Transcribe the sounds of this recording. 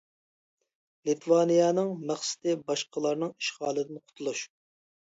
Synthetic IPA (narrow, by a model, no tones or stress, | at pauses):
lit̪ʰwɑnijɑnɨŋmæχsɪ̥t̪ɪbɑʃqəlˠɑɾnɨŋi̥ʃχɑːlˠɨd̪ɪnqʰʊ̥t̪ʰulˠuʃ